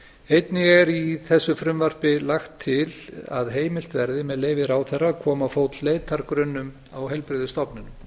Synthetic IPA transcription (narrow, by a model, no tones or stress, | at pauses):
ejt̪nɪɣɛɾiθɛsːʏfɾʏmvar̥pɪlaxt̪ʰːɪla̰ðɦeːjmɪlt̪vɛɾðɪmɛðleːjvɪɾawθɛrːakʰɔːmafoːwt̪llejt̪aɾkɾʏnːʏm | awɦɛlpɾɪðʏst̪ɔpnɪnʏm